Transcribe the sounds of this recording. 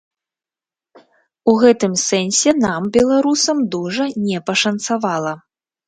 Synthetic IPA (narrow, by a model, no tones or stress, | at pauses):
uɣɛt̪ɨmsɛnʲsʲɛnambʲɛlˠaɾusɐmd̪uʐɐnʲɛpɐʂɐnt̪savalˠɐ